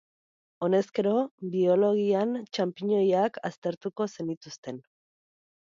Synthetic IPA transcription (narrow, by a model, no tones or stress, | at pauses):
o̞ne̞ske̞ɾo̞bio̞lo̞ɣiant͡ʃampiɲo̞jakʰast̪e̞ɾt̪uko̞se̞nit̪ust̪e̞n